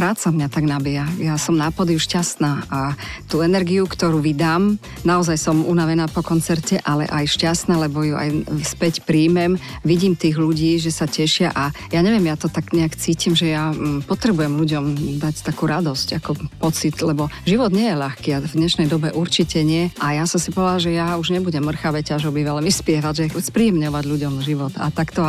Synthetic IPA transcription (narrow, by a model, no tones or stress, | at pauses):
pɾaːt͡samɲat̪aɡnabiɦajasɔmnaːpɔd̪iuʃcast̪naːʔat̪uːɛnɛɾɡiukt̪ɔɾuːʋid̪aːm | naɔzajsɔmunaʋɛnaːpɔkɔnt͡sɛɾcɛʔalɛ̰ʔajʃcast̪naːlɛbɔjuʔa̰jspɛcpɾiːmɛm | ʋiɟiːmt̪iːɣluɟiːʒɛsacɛʃɪaʔa | jaɲɛʋjɛmjat̪ɔt̪aɡɲɛakt͡siːcimʒɛjapɔt̪ɾɛbujɛmluɟɔmd̪act̪akuɾad̪ɔscakɔpɔt͡sit̪lɛbɔʒiʋɔd̪ɲɪɛjɛʎaxkiːavd̪ɲɛʃnɛjd̪ɔbɛʔuɾt͡ʃicɛɲɪɛʔajasɔmsipɔlaʒɛjauʒɲɛbuɟɛmːr̩xaʋɛcaʒɔbiʋalmispɪɛʋaɟʒɛspɾiɛmɲɔʋaɟʎuɟɔmʒiʋɔt̪a̰t̪akt̪ɔ